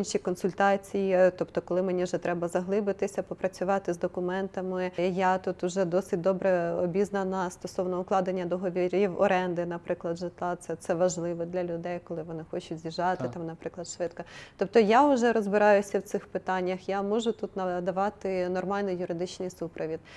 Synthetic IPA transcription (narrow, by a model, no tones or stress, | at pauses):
inʃʲikɔnsʊlʲt̪ɑt͡sʲijit̪ɔpt̪ɔkɔlˠɪmenʲiʒɛt̪ɾɛbɐzɐɦlˠɪbɪt̪ɪsʲɐpɔpɾɐt͡sʲʊʋɑt̪ɪzd̪ɔkʊmɛnt̪ɐmɪjat̪ut̪ʊʒɛd̪ɔsɪtʲd̪ɔbɾɛɔbʲiznɐnɐst̪ɔsɔwnɔʊklˠɑd̪enʲːɐd̪ɔɦɔʋʲiɾʲjɛwɔ̰ɾɛnd̪ɪnɐpɾɪklˠɐd̪ʒɪt̪lˠɑt̪sɛt̪sɛʋɐʒlˠɪʋɔd̪lʲɐlʲʊd̪ɛjkɔlˠɪʋɔnɪxɔt͡ʃʊtʲzʲiʒɑt̪ɪt̪ɑmnɐpɾɪklˠɐd̪ʃʋɪt̪kɔt̪ɔp̚t̪ɔjaʊʒɛɾɔzbɪɾɑjʊsʲɐwt̪sɪxpɪt̪ɑnʲːɐxjamɔʒʊt̪ut̪nɐd̪ɐʋɑt̪ɪnɔrmɑlʲnɪjjʊɾɪd̪ɪt͡ʃnɪjsupɾɔʋʲid̪